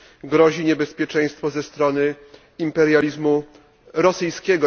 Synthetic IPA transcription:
ɡɾɔʑiɲɛbɛspʲjɛt͡ʂɛ̃j̃st̪fɔzɛst̪ɾɔnɘ | impɛɾjalʲizmu | ɾɔsɘjskʲɛɡɔ

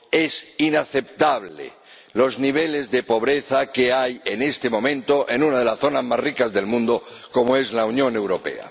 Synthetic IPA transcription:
e̞sinaθe̞pt̪aβlḛ | lo̞zniβ̞e̞le̞zðe̞po̞β̞ɾe̞θake̞aje̞ne̞st̪e̞mõ̞mẽ̞nt̪o̞ʔe̞nũnaðe̞lasθo̞nazmasrikazðe̞lmũnd̪o | ko̞moe̞zlaunjõ̞ne̞wɾo̞pe̞̰a̰

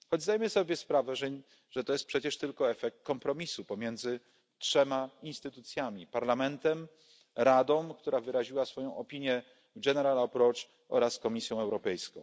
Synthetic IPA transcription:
xɔd͡ʑzd̪ajmɘsɔbʲjɛspɾavɛʐɛ | ʐ̥ɛt̪ɔjɛst̪pʂɛt͡ɕɛʂt̪ɘlkɔɛfɛk̚t̪̚kɔmpɾɔmʲisupɔmʲjɛnd̪zɘ | tʂɛmainst̪ɘt̪ut̪sʲjamʲipaɾlamɛnt̪ɛm | ɾad̪ɔ̃w̃kt̪uɾavɘɾaʑiwasfɔjɔ̃w̃ʔɔpʲiɲjɛ | ɡɛnɛɾalapɾɔt͡ʂ | ɔ̰ɾaskɔmʲisʲjɔ̃w̃ɛwɾɔpɛjskɔ̰̃w̃

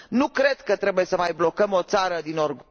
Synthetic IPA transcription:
nukɾe̞d̪kət̪ɾe̞buje̞səmajblo̞kəmo̞t̪saɾəd̪ino̞rɡ

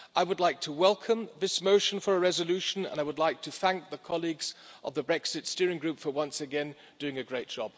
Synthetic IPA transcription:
ʔaɪwədˡlaɪk̚tʰəwɛlˠkʰə̃mðɪsmoʊʃɨ̃nfə˞əɹɛzəlʉʃɨ̃n̩ə̰̃naɪwədˡlaɪk̚tʰɨθæ̃ŋk̚ðəkʰɑlˠiɡz̥ʔə̰vðəbɹɛksɨtstɪɹɪ̃ŋɡɹʉpfə˞wʌ̃nsɨɡɛ̃n | d̥ʉɪ̃ŋɨɡɹeɪt̚d̥ʒ̥ɑb̥

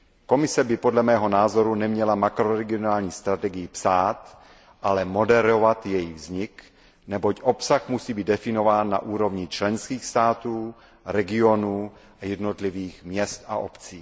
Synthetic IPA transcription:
ko̞mɪsɛbɪpo̞dlɛmɛːɦo̞naːzo̞ɾunɛmɲɛlamakɾoɾɛɡɪonaːlɲiːst̪ɾat̪ɛɡɪjɪpsaːt̪ | ʔalɛmo̞dɛɾovat̪jɛjivzɲɪk | nɛbo̞cʔo̞psaxmusiːbiːt̪dɛfɪno̞vaːnːa̰ʔuːɾo̞vɲɪt͡ʃlɛnskiːxst̪aːt̪uː | ɾɛɡɪo̞nuː | ajɛdnot̪liviːxmɲɛst̪a̰ʔo̞pt͡siː

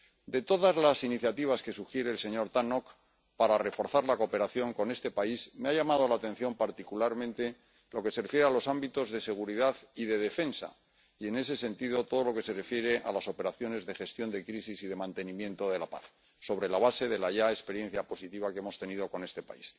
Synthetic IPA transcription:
d̪e̞t̪o̞ðazlasiniθjat̪iβ̞aske̞suxje̞ɾe̞ːlse̞ɲo̞ɾt̪ano̞k | paɾare̞fo̞ɾθaɾlako̞pe̞ɾaθjo̞ŋko̞ne̞st̪e̞paismeaʝamað̞o̞lat̪e̞n̟θjo̞mpaɾt̪ikulaɾmẽnt̪e̞ | lo̞ke̞serefje̞ɾealo̞sambit̪o̞zðe̞se̞ɣ̞uɾiðaðiðe̞ðe̞fensa̰ | ie̞ne̞se̞sẽ̞nt̪iðo̞t̪o̞ð̞o̞lo̞ke̞se̞re̞fje̞ɾe̞ʔa̰laso̞pe̞ɾaθjo̞ne̞zðe̞xe̞st̪jo̞nd̪ekɾisisiðe̞mãnt̪e̞nĩmjẽ̞nt̪o̞ðe̞lapa̰θ | so̞β̞ɾe̞laβ̞ase̞ðe̞laʝaespe̞ɾje̞nθjapo̞sit̪iβakeemo̞st̪e̞nið̞o̞ko̞ne̞st̪e̞pa̰is

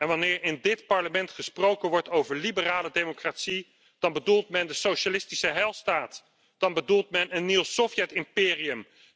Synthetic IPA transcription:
ɛnʋɑnɪːɹɪndɪtpɑɹləmɛntχəsprowkənʋɔɹtowvəɹlibəraːlədejmokratsi | d̥ɑnbədulˠtmɛndəsowʃalɪstisəɦɛlˠstaːt | d̥ɑnbədulˠtmɛnənːiwsɔfjɛtɪmpɪːriəm

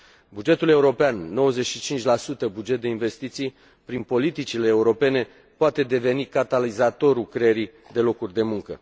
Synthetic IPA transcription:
bud͡ʒe̞t̪ule̞uɾo̞peanːo̞wəzeʃit͡ʃint͡ʃʲlasut̪əbud͡ʒet̪̚d̪e̞inve̞st̪it̪sij | pɾinpo̞lit̪it͡ʃile̞ːuɾo̞pe̞ne̞ | poat̪e̞d̪e̞ve̞nikat̪alizat̪o̞ɾukɾejeɾi | d̪e̞lo̞kurʲd̪e̞muŋkə̰

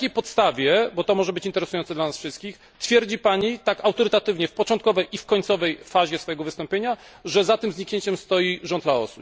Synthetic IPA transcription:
kʲejpɔt̪st̪avʲjɛbɔt̪ɔmɔʐɛbɘt͡ɕint̪ɛɾɛsujɔnt̪d̪lanasfʂɘst̪̚kʲix | t̪fʲjɛɾd͡ʑipaɲit̪akawt̪ɔɾɘt̪at̪ɘvɲɛfpɔt͡ʂɔ̃nt̪̚kɔvɛjʔifkɔɲt̪sɔvɛjfaʑɛsfɔjɛɡɔvɘst̪ɔ̃mpʲjeɲa | ʐɛzat̪ɘmzɲikɲeɲt͡ɕɛmst̪ɔjiʐɔnd̪laɔ̰sup

